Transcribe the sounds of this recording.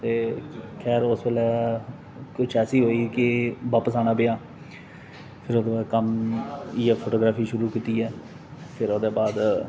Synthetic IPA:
t̪eːkʰɛːɾʊsbeːlɛː | kʊt͡ʃʰɛːsiːɦoːiːkɪʋaːpəsaːñaːpejaː | pʰɪɾoːd̪eːbaːd̪kəmiːaːpʰoːʈoːɡɾaːpʰiːʃʊɾuːkiːt̪iːɛː | pʰɪɾoːd̪eːbaːd̪

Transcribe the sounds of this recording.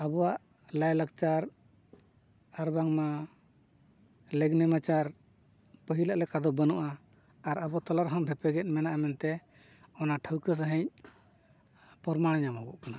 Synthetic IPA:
abɔwaʔ | lajlak̚t͡ʃaɾ | aɾbaŋma | lɛɡnɛmat͡ʃaɾ | pəɦilaʔlɛkad̪ɔbənuʔaː | ɾabɔt̪ɔlaɾɦɔmbʱɛpɛɡɛt̪̚ˀmɛnaʔamɛnt̪ɛ | ɔnaʈʰəwkəs̬əɦə̃ɲ̚ | pɔɾmaɽ̃aɲamɦɔbɔ̰ʔkana

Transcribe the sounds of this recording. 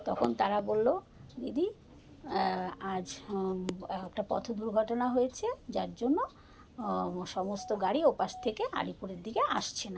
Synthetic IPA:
t̪ɔkʰont̪aɾabolːo | ɡid̪i | ad͡ʑ | ɛkʈapɔ̰t̪ʰod̪uɾɡʱɔʈonaɦojet͡ɕʰed͡ʑaɾd͡ʑonːo | ʃɔmost̪oɡaɽiopaʃt̪ʰekeʔa̰ɽipuɾeɾd̪ikeʔaʃt͡ɕʰena

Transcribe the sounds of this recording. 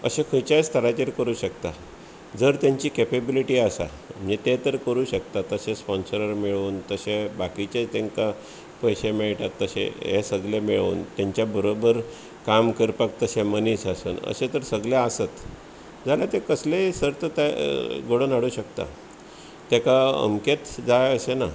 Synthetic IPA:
ə̰ɕekʰujt͡ɕast̪ʰəɾat͡ɕeɾkəɾuːɕəkt̪a | d͡zəɾt̪jaɲt͡ɕiːkepebiliʈiːasa̰ | m̤it̪et̪əɾkəɾuːɕəkt̪at̪əɕespɔnsɾəɾmiɭuːnt̪əɕebakit͡ɕet͡st̪ẽŋka | pəjɕemeɭʈat̪ːəɕḛ̃ɦesəɡlemiɭṵːnt̪jaɲt͡ɕjabəɾobəɾ | kamkəɾpək̚t̪əɕemənisasṵːnə̰ɕet̪əɾsəɡljaəsət̪ | d͡zaljat̪ekəslesəɾt̪ət̪aɡoɽonaɽuːɕəkt̪a̰ | t̪ekaə̰mket̪d͡zajəɕena

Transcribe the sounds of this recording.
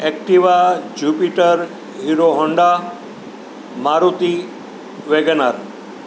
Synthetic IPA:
ek̚ʈiʋad͡ʒupiʈəɾ | ɦiɾoɦɔɳɖa | maɾut̪i | ʋeɡənaɾ

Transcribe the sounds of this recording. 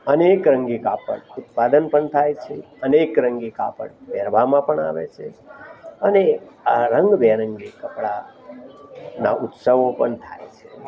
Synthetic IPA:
ənekɾə̃ŋɡikapə̰ɽut̪̚pad̪ənpəɳt̪ʰajt͡ʃʰe | ənekɾəŋɡikapə̰ɽʋɛɾbʱamãpəɳa̰ʋḛt͡ʃʰe | əneaɾəŋɡbeɾəŋɡikəpɽa | na̰ʔʊt̪səʋopəɳt̪ʰa̰jt͡ʃʰe

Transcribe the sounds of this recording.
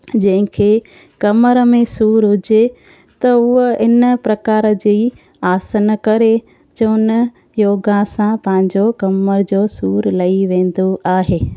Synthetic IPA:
d͡ʑɐ̃ɦɪ̃kʰe | kɐməɾəmẽsuːɾɦʊd͡ʑe | t̪ɐʊəɪnəpɾɐkaːɾəd͡ʑiː | aːsənkɐɾe | d͡ʑoːnə | joːɡãsãpɐ̃ɦɪ̃ɲd͡ʑokɐməɾd͡ʑoːsuːɾlɐiʋẽːn̆d̪oaːɦeː

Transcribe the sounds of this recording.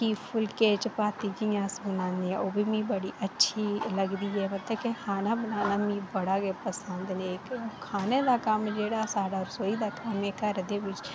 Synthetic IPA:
kiːpʰʊlkeːt͡ʃpaːt̪id͡ʒijãːsbənãːnd̪iɛ̃oːbʱiːmĩːbəɽiːʔətːʃʰiːləɡd̪iːɛːmət̪ləbkehʰaːnaːbənaːnaːmĩːbəɽaːɡepəsənd̪nekkʰaːneːd̪aːkəmd͡ʒeːɽasaːɽaɔːɾsoːiːd̪aːkəmekəɾd̪eːʋɪt͡ʃ

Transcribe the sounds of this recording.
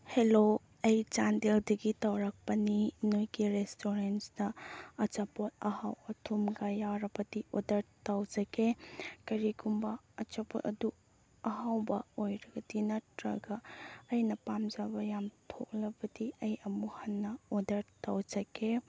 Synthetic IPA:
helo | ɐjt͡ʃandeldɐɡitawɾak̚pɐninojɡiɾestʰoɾensdɐɐt͡ʃapot̚ɐhawɐtʰumɡɐjawɾɐbɐdiʔodɐɾtawd͡ʒɐɡekɐɾiɡumbɐːt͡ʃɐpo̰tɐdu | ɐɦawbɐojɾɐɡɐdinɐtɾɐ̰ɡɐɐjnɐpamd͡ʒabɐjamtʰo̰k̚lɐbɐdiɐjɐmuhɐnːɐodɐɾtawd͡ʒɐɡe

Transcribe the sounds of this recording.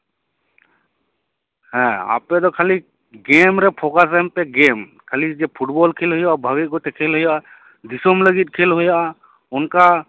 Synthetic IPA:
hɛ̃a̰ːpːed̪ɔkʰali | ɡeːmɾɛpʰokasəmpeɡeːmkʰalid͡ʒepʰuʈbɔlkʰeːlɦojabʱaɡiɡot̪ekʰelɦoja | d̪isomləɡit̪̚kʰeːlɦojaʔ | ʊnka

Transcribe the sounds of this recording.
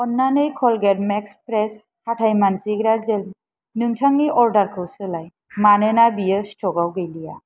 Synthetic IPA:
ɔnːanɯjkʰɔlɡɛɾmɛkspɾɛs | hatʰajmansiɡɾazɛl | nɯŋtʰaŋniʔɔɾdaɾkʰɯwsɯlaj | manenabijəstʰɔɡawɡɯjlija

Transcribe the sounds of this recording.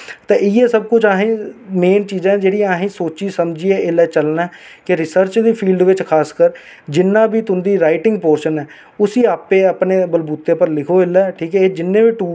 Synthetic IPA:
t̪ẽːɪːeːsəb̚kʊt͡ʃʰaːɦĩːmeːnt͡ʃiːzãːd͡ʒeːɽiːaːɦĩːsoːt͡ʃiːsəmd͡ʒiːeɪlɛːt͡ʃəlnɛː | kɪɾɪsəɾt͡ʃd̪iːpʰiːlɖʋɪt͡ʃkʰaːskəɾ | d͡ʒɪnːãːbiːt̪ʊnd̪iːɾaːɪʈɪŋɡ̚poːɾʃənɛː | ʊsiːaːpeːəpneːbəlbuːt̪ːẽːpəɾlɪkʰoːɪlɛːʈʰiːkɛːd͡ʒɪnːẽːbiːʈuː

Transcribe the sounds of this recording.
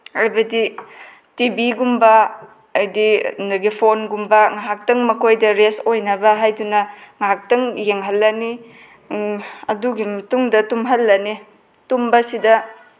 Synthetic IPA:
ajbɐdi | tibiɡumbɐː | jdinɐɡipʰonɡumbɐŋaɦak̚tɐŋmɐkʰojdɐɾesojnɐbɐɦajdunɐŋaɦak̚tɐŋjeŋɦɐlːɐni | ɐduɡimɐtuŋdɐtumɦɐlːɐni | tumbɐsidɐ

